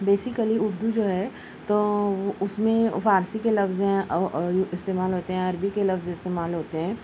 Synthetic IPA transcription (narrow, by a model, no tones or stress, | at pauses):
beːsɪkəliʊɾd̪ud͡ʒoːɦɛ | t̪oːoʔʊsmẽfaːɾsikelɐfzɦɛ̃ | ɪst̪eːmaːlɦoːt̪eɦɛ̃ɐɾbikelɐfzɪst̪eːmaːlɦoːt̪eɦɛ̃ː